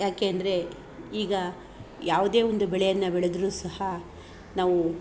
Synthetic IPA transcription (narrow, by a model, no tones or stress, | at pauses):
jaːkeːɐnd̪ɐɾe̞ | iːɡɐ | jaːʋud̪e̞ːond̪ubɛɭɛjɐnːɐbɛɭed̪ɾuːsɐhɐ | naːʋu